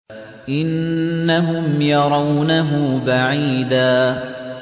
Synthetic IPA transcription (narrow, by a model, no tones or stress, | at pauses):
ʔɪnːaɦʊmjɑɾˤɑwnaɦʊbaʕiːd̪aː